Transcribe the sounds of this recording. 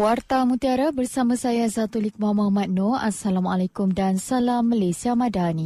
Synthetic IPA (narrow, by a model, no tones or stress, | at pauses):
wartt̪amũt̪iaɾabərsamãsajazat̪ulik̚mamaɦmat̪̚noasalamalakumdansalamːalasiamãdani